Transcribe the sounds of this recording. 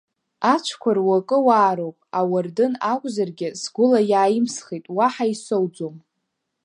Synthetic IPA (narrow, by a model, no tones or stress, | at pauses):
at͡ʃʷʰkʷʰarwakʼɨwaːɾowpʼawardɨnakʷʼzarɡʲɪsɡʷʊlajaːjɪmsχitʼwaħaisowd͡zom